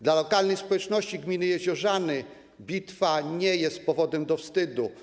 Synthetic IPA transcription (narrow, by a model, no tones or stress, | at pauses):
d̪lalɔkalnɛjspɔwɛt͡ʂnɔɕt͡ɕiɡmʲinɘjɛʑɔʐanɘ | bʲit̪faɲɛjɛst̪̚pɔvɔd̪ɛmd̪ɔfst̪ɘd̪u